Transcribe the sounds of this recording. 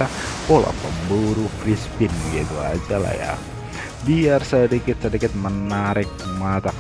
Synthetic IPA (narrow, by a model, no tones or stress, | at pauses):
apola̰pəmbuɾufɾispɪnɡit̪uad͡ʒala̰hja̰ | biarsədikɪt̪̚sədikɪt̪̚mənaɾɪk̚mat̪a